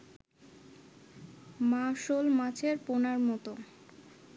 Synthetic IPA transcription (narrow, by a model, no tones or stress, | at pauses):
maʃolmãt͡ɕʰeɾponaɾmɔt̪o